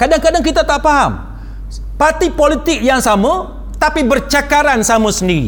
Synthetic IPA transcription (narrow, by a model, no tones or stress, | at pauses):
kadaŋkadaŋkit̪at̪aʔfaɦa̰m | part̪ipolit̪ɪk̚jaŋsamo | t̪apibərt͡ʃakaɾansamusəndiɾḭ